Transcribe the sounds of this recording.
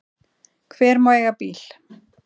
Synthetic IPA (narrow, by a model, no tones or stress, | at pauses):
kʰvɛːɾmaɛɣapiːl̥